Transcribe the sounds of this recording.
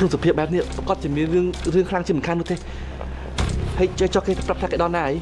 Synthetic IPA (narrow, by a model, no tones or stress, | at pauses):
kʰnusapʰiəɓaɛp̚niəʔpkŏət̪̚t͡ɕiəmiənrɨəŋrɨəŋkʰlaŋt͡ɕiəmuənkʰaːnːŭət̪eː | həjt͡ɕət͡ɕɑhkeːt̪aprap̚t̪ʰaːkeːɗɑlnaːʔəj